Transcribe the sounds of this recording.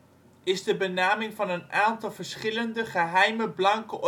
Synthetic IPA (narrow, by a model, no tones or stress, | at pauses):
ɪzdəbənaːmɪŋvɑnənʔaːntɑlˠvəɹsχɪləndəχəɦɛjməblɑŋkəʔɔ